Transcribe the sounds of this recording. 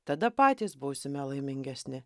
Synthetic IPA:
t̪ɐd̪ɐpɑːt̪ʲiːsbuːsʲɪmʲɛlˠɐɪmʲɪŋʲɡʲɛsʲnʲɪ

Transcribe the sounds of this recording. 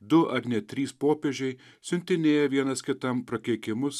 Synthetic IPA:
d̪ʊʔɐɡnʲɛt̪ʲɾʲiːspoːpʲeːʒʲɛɪ | sʲʊnʲt̪ʲɪnʲeːjɛʋʲiɛnɐskʲɪt̪ɐmpɾɐkʲɛɪkʲɪmʊs

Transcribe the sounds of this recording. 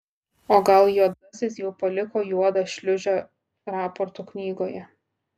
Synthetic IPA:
oːɡɐlˠjuɔd̪ɐsʲɪs̬jɛʊpɐlʲɪkoːjuɔd̪ɐʃʲlʲʊʒʲoː | ɾɑːpɔɾt̪uːknʲiːɡoːjɛ

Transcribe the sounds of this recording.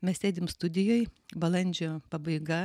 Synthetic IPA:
mʲɛssʲeːd̪ʲɪmst̪ʊd̪ʲɪjoːjbɐlˠɐnʲd͡ʒʲoːpɐbɐɪɡɐ

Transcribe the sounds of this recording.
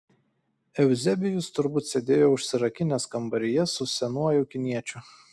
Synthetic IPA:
ɛʊzʲɛbʲɪjʊst̪ʊɾbʊˑt̪sʲed̪ʲeːjoːʊʃʲsʲɪɾɐkʲɪnʲeskɐmbɐɾʲɪjɛsʊsʲɛnuɔjʊkʲɪnʲiɛt͡ʃʲʊ

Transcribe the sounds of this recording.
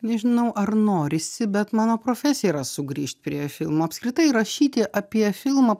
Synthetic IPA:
nʲɛʒʲɪnɐʊʔɐrnoːɾʲɪsʲɪbʲɛt̪mɑːnoːpɾoːfʲæsʲɪjɛɾɐsʊɡɾʲiːʃt̪̚ʲpʲɾʲiɛfʲɪlˠmoːɐpskɾʲɪt̪ɐɪɾɐʃʲiːt̪ʲɪʔɐpʲiɛfʲɪlˠmɐ

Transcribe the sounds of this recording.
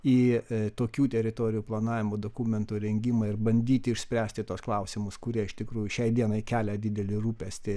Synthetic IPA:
iːt̪oːkʲuːt̪ʲɛɾʲɪt̪oːɾʲɪjuːplˠɐnɑːʋʲɪmoːd̪oːkumʲɛnt̪uːɾʲɛŋʲɡʲɪmɑɪɾbɐnʲd̪ʲiːt̪ʲɪɪʃʲsʲpʲɾʲæːsʲt̪ʲɪt̪uɔsklˠɐʊsʲɪmʊskʊɾʲiɛɪʃt̪ʲɪkɾuːjʊʃʲɛɪd̪ʲiɛnɐɪkʲæːlʲɛd̪ʲɪd̪ʲɛlʲɪruːpʲɛsʲt̪ʲɪ

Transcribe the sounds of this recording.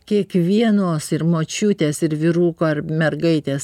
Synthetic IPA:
kʲiɛkʋʲiɛnoːsɪɾmoːt͡ʃʲuːt̪ʲeːsɪɾʋʲɪɾuːkoːɐɾmʲɛɾɡɐɪt̪ʲeːs

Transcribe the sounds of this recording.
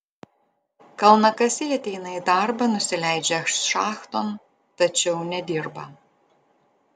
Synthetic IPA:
kɐlˠnɐkɐsʲɪɐt̪ʲɛɪnɐid̪ɑˑɾbɐnʊsʲɪlʲæɪd͡ʒʲɛɐʃʃɑːxt̪oːn | t̪ɐt͡ʃʲɛʊnʲɛd̪ʲiɾbɐ̰

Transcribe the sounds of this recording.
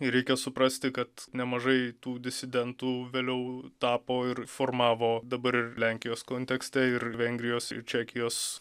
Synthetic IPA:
ɾʲɛɪkʲɛsʊpɾɐsʲt̪ʲɪkɐt̪nʲɛmɐʒɐɪt̪uːd̪ʲɪsʲɪd̪ʲɛnt̪uːʋʲeːlʲɛʊt̪ɑːpoːɪrfoːrmɑːʋoːd̪ɐbɐɾɪrlʲæŋʲkʲɪjoːskoːnʲt̪ʲɛksʲt̪ʲɛɪɾʋʲɛŋʲɡʲɾʲɪjoːsɪ̰rt͡ʃʲæːkʲɪjoːs

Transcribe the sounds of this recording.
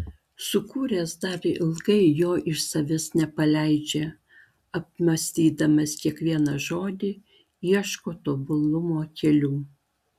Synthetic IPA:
sʊkuːɾʲeːsd̪ɐɾɪlˠɡɐɪjoːʔɪʃsɐʋʲɪsnʲɛpɐlʲæɪd͡ʒʲe | ɐp̚mɐsʲt̪ʲiːd̪ɐmɐskʲiɛkʋʲiɛnɐʒoːd̪ʲɪ | iɛʃkoːt̪oːbʊlˠʊmoːkʲɛlʲuː

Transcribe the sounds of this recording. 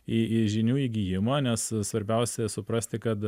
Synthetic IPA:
ɪɪʒʲɪnʲuːiːɡʲiːjɪmɐːnʲɛssʋɐɾʲbʲɛʊsʲɛsʊpɾɐsʲt̪ʲɪkɐt̪

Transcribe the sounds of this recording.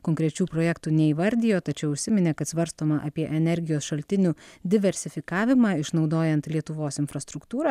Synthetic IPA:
koːŋkɾʲɛt͡ʃʲuːpɾoːjɛːkt̪uːnʲɛiʋɐɾʲd̪ʲɪjoːt̪ɐt͡ʃʲɛʊʊʃʲsʲɪmʲɪnʲekɐt̪sʋɐɾst̪oːmɐʔɐpʲiɛʔɛnʲɛɾʲɡʲɪjoːsʃɐlʲt̪ʲɪnʲuːd̪ʲɪʋʲɛɾʲsʲɪfʲɪkɑːʋʲɪmɑːɪʃnɒʊd̪oːjɛnt̪lʲiɛt̪ʊʋoːsɪnfɾɐst̪ɾʊkt̪uːɾɑ

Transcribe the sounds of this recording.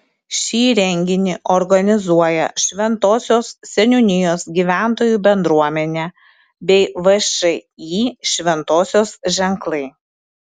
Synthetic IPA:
ʃʲiːɾʲɛŋʲɡʲɪnʲɪʔɔɾɡɐnʲɪzuɔjɛ̰ʃʲʋʲɛnt̪oːsʲoːssʲɛnʲʊnʲɪjoːsɡʲiːʋʲæˑnt̪oːjuːbʲɛnd̪ɾuɔmʲɛnʲɛː | bʲɛɪʋɐʃɐɪjiːʃʲʋʲɛnt̪oːsʲoːsʒʲɛŋklˠɐɪ

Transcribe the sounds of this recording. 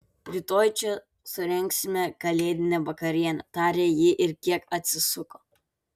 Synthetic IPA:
ɾʲit̪oːjt͡ʃʲɛ | sʊɾʲɛŋʲksʲɪmʲɛkɐlʲeːd̪ʲɪnʲɛʋɐkɐɾʲiɛnʲɐt̪ɑːɾʲeːjɪʔɪɾkʲiɛkɐt̪ʲsʲɪsʊkoː

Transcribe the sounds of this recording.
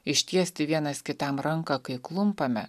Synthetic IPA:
ɪʃʲt̪ʲiɛsʲt̪ʲɪʋʲiɛnɐskʲɪt̪ɐmɾɐŋkɐkɐɪklˠʊmpɐmʲɛ

